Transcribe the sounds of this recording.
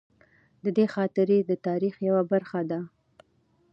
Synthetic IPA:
d̪əd̪exɑt̪ɪɾed̪ət̪ɑɾixjawabaɾxad̪a

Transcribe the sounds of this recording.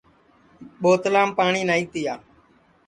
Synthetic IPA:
ɓoːt̪laːmpaːɳiːnaːiːt̪ɪjaː

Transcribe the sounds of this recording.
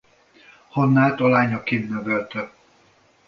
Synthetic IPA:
honːaːt̪ɒlaːɲɒkinːøvɛlt̪ɛ

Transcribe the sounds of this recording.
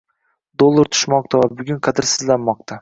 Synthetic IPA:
d̪olˠːaɾt̪ʰʊ̥ʃmɒq̚t̪ʰavabʊɡʲʊnqʰɑd̪ɪɾsɪzlanmɒq̚t̪ʰa

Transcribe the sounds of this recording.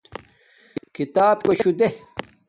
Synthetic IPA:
kit̪aːb̚koɕud̪e

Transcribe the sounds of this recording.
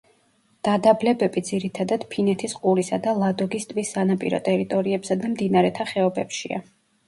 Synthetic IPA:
d̪̥ad̪ablɛbɛbid̪ziɾit̪ʰad̪ad̪̥pʰinɛt̪ʰisqʼulisad̪alˠad̪ɔɡist̪ʼvisːanapʼḭɾɔ̰t̪ʼɛɾit̪ʼɔɾiɛbsad̪amd̪inaɾɛt̪ʰaχɛɔbɛpʃia̰

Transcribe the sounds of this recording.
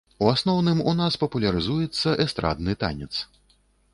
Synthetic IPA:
uasnɔwnɨmunaspɐpulʲɐɾɨzujɛt̪sːɐʔɛst̪ɾa̰d̪nɨt̪a̰nʲɛt̪s

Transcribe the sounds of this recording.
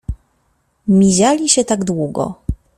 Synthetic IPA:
mʲiʑalʲiɕɛt̪aɡd̪wuɡɔ̰

